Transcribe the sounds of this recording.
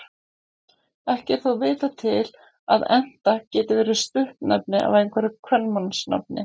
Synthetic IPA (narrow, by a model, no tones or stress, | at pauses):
ɛhcɛ̥θawvɪːt̪at̪ʰɪl | aðɛn̥t̪acɛːt̪ɪvɛːɾʏst̪ʏhpnɛpnɪʔa̰vejŋkʰvɛɾɪkʰvœnmansna̰p̚nɪ̰